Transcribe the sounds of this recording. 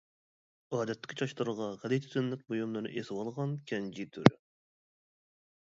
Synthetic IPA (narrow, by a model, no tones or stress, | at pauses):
ɑːd̪ɛt̪ːɪ̥kʲit͡ʃʰɑʃlɨɾəʁɑʁɛd̪ɛjt̪ʰy̥t̪ɪnlɪk̪̚ʲbojumlˠɨɾnɨ̰ʔesɪwɑlˠʁɑnkʲʰɛnd͡ʒit̪ʰyɾɪ